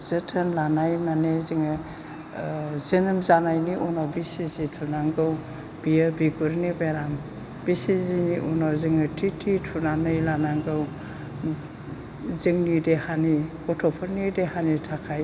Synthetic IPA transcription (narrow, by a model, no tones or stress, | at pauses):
zɯtʰɯnlanajmaneziŋɯ | zenɯmzanajniʔunawbisizitʰunaŋɡɯw | b̥ijabiɡuɾnibaɾam | b̥isiziniʔunawziŋɯtʰitʰitʰunanɯjlanaŋɡɯw | ziŋnidehanikɔtʰɔpʰɔɾnidehanitʰakʰaj